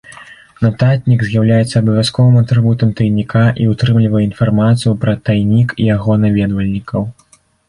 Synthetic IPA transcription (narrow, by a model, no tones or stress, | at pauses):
nɐt̪at̪ʲnʲiɡzʲjawlʲajɛt̪sːɐːbɐvʲaskɔvɨmɐt̪ɾɨbut̪ɐmt̪ɐjnʲikʰaʔiut̪ɾɨmlʲivɐjɛinfarmat̪sɨjupɾɐt̪ajnʲikijaɣɔnavʲɛd̪vɐlʲnʲikʰɐw